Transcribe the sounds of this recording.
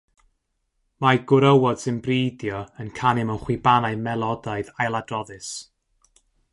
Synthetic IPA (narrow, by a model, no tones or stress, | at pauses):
maɡʊɾəwɔd̥sɨnbriːdjɔənkʰanɪmənχwɪbanaɨmɛlˠɔdaɨðajlˠadrɔðɨs